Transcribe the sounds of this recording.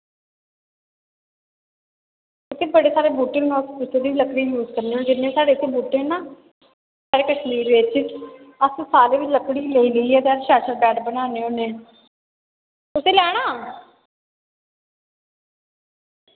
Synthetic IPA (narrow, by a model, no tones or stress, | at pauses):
ɪt̪ʰːeːbəɽeːsaːɾeːbuːʈɪ̃nãːspʊt͡ʃːeːd̪iːʋiləkɽiːjuːzkəɾneːoːd͡ʒɪnːẽːsaːɽeːt̪ʰːeːbuːʈẽːɦnaː | saːɾeːkəʃliːɾʋeːt͡ʃɪ | əssaːɾeːʋɪt͡ʃləkɽiːleiːləiːɛːt̪eəɾʃaːʃəɾbɛːʈbənaːneːoːnẽː | ʊseːlɛːɽ̃aː